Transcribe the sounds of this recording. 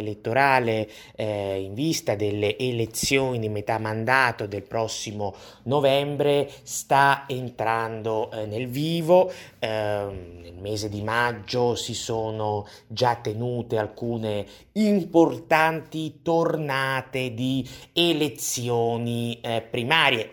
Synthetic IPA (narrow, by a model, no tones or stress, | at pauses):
let̪ːoɾaːle | iɱvist̪ad̪elːeʔːlet̪sːjoːnid̪imet̪amːand̪aːt̪od̪elpɾɔsːimo | novɛmbɾest̪aent̪ɾand̪onelviːvo | nelmeːzed̪imad͡ʒːosisoːno | d͡ʒat̪ːenuːt̪ealkuːne | import̪ant̪it̪ornaːt̪ed̪ielet̪sːjɔːnipɾimaːɾje